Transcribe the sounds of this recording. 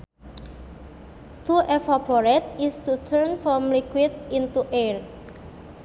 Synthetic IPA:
t̪uʔefapɔɾɛt̪ɪst̪ut̪ʰəɾnfɔmlikwɪd̪̚int̪uʔer

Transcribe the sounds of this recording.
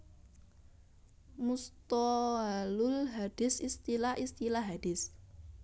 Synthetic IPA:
must̪ɔɦalʊlɦad̥ɪsist̪ilaʔist̪ilaɦad̥ɪs

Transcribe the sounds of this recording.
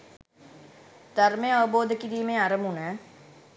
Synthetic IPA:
d̪əɾmẽəboːd̪kiɾiːmẽaɾəmɦunɛ̃ː

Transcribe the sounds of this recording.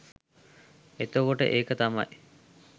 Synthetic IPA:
et̪okoʈə̰ʔeːkət̪ama̰j

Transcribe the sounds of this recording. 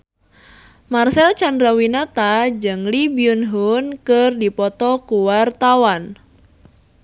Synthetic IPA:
marsɛlt͡ʃandɾawinat̪ad͡ʒɨŋlibiunɦʊnkərdipɔt̪ɔkuwart̪awan

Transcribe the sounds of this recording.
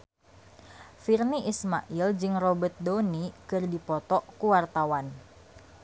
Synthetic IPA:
firniʔisma̰ʔild͡ʒɨŋrɔbət̪̚donikɨrdipɔt̪ɔkuwart̪awan

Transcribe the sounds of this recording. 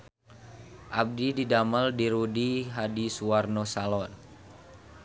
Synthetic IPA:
ʔab̚dididaməldiɾudiɦadisuarnosalɔn

